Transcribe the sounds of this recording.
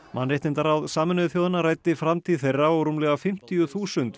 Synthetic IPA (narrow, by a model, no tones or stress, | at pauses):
ma̰nrɛht̪ɪnt̪aɾawðsaːmɛnðʏθjowðɪnaɾaːjt̪ɪfɾamt̪ʰiːðθejrːaɔɾuːmlɛɣafɪm̥t̪ijʏθuːsʏnt̪